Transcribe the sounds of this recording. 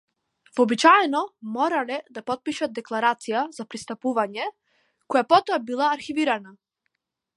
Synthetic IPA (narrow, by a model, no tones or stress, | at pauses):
vɔbit͡ʃaɛnɔmɔɾalɛd̪apɔt̪̚piʃat̪̚d̪ɛklˠaɾat̪sijazapɾist̪apuvaɲɛ | kɔjapɔt̪ɔabilˠaːɾxiviɾana